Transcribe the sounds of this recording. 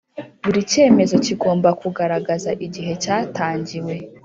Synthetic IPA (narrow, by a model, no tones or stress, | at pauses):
βuɾice̞ːme̞zo̞ciɡo̞ːmbakuɡaɾaɡazaʔiɟiɦe̞t͡ʃaːtaːɲɟiwe̞